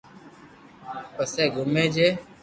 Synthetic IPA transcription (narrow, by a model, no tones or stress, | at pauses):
pəseːɡʊmẽːd͡ʒeː